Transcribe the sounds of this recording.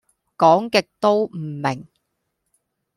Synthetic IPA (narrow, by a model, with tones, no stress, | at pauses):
kɔː˨˥ŋkɪ˨k̚t̪o˥wm̩˨˩mɪ˨˩ŋ